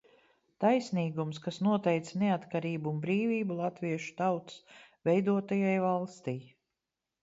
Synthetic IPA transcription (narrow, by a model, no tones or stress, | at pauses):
t̪ajsniːɡumskasnuɔt̪ɛjt̪sneat̪kaɾiːbuːmbɾiːviːbulˠat̪viɛʃu̥t̪awt̪svɛjd̪uɔt̪ajajvalˠst̪ʲij